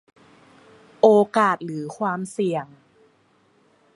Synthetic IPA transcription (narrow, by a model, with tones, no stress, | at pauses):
ʔoː˧kaː˨˩t̪̚lɯː˩˦kʰwaː˧msi˨˩əŋ